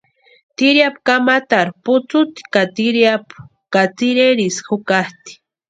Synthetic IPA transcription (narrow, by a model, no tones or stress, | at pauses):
t̪iɾjapkamat̪aɾpʊt͡sʊt̪kat̪iɾjap | kat͡siɾeɾisxʊkaht̪i̥